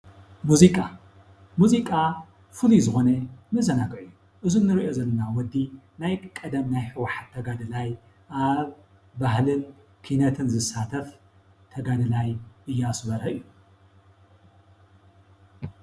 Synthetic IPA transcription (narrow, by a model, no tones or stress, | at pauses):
muzikʼa | muzikʼa | fɨlizɨxo̞nɐnɨzɐnaɡɐʕjːu | ʔɨzunɨɾiʔo̞zɐlːɐnawɔd̪ːi | najkʼɐd̪ɐmnajħɨwaħat̪ʰːɐɡad̪ɨlaj | ʔaβː | ahlɨn | kʰinɐt̪ʰɨnzɨsːat̪ʰɐf | t̪ʰɐɡad̪ɨlajʔɨjːɛasβɐɾɐɨjːu